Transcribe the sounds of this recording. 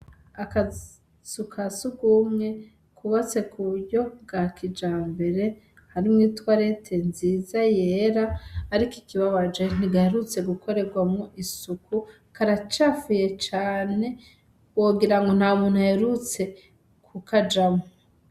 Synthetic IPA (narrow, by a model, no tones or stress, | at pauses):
aka | sukʰasuɡumŋe̞ | kʰuβat͡se̞kʰujo̞ɡakʰid͡ʒaːmbe̞ɾe̞ | haɾimŋiːtwaɾetʰe̞nziːzaje̞ːɾaːɾikikiβaβad͡ʒe̞n̥iɡaheɾut͡se̞ɡuko̞ɾe̞ɡwamŋoʔisukʰu | kaɾat͡ʃafujet͡ʃaːne̞ | woɡiɾaŋɡo̞n̥haːmuːnhuheɾut͡se̞ | kʰukad͡ʒamo